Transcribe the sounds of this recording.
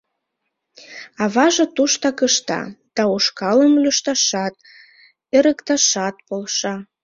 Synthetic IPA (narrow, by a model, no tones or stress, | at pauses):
ɑβɑʒet̪uʃt̪ɑkəʃt̪ɑ̰d̪̥ɑuʃkɑləmløʃt̪ɑʃɑt̪̚ | eɾə̆kt̪ɑʃɑt̪̚polʃɑ